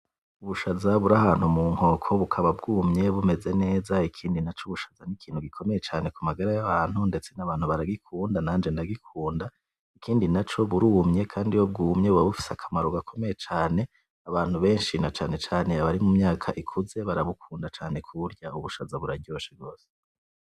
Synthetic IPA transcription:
uβuʃazaβuɾahaːn̥humuːŋ̥ho̞kʰo̞βukʰaβabɡuːmɲe̞βume̞ze̞ne̞ːzaikʰiːndinat͡ʃuβuʃḁzanikʰiːn̥huɡikʰo̞me̞jet͡ʃaːne̞kumaɡaɾajaβaːn̥hunde̞t͡se̞naβaːn̥huβaɾaɡikʰuːndanaːnd͡ʒe̞ndaɡikʰuːnda | ikʰiːndinat͡ʃo̞βuɾuːmɲe̞kʰaːndijob̚ɡuːmɲe̞uaβufi̥sakʰamaɾoɡakʰo̞me̞jet͡ʃaːne̞ | aβaːn̥huβe̞ːnʃinat͡ʃaːne̞t͡ʃaːne̞aβaɾimumɲaːkʰaʔikʰuze̞βaɾaβukʰuːndat͡ʃaːne̞kʰuɾjɟauβuʃazaβuɾaɟo̞ːʃabɡo̞ːse̥

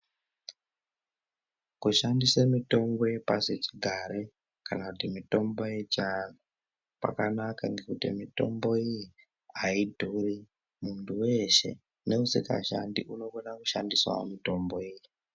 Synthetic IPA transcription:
kuʃandisemito̞mbo̞jepaset͡ʃiɡʱaɾe | kanakutimito̞mbo̞je̞t͡ʃan̤o | pa̰kanakaŋɡe̞kutḭmito̞mbo̞iji | aidʱuri | muntʰuwe̞ʃe̞̰ | ne̞usika̰ʃa̰ndiʔuno̞ɡonakuʃandiswa̰mito̞mboiːji

